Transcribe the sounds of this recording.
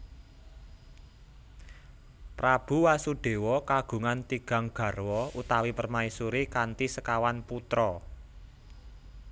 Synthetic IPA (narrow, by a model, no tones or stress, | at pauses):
pɾab̥ṳwasuɖ̥e̤wɔkaɡ̥ṳŋant̪iɡ̥a̤ŋɡ̥ä̤rwɔut̪awipərmaisuɾikant̪isəkawanput̪ɾɔ